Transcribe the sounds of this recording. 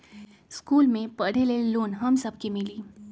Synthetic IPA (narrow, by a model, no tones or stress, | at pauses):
skuːlmẽpɐɽ̤eleloːnɦɐmsɐb̚kemɪliː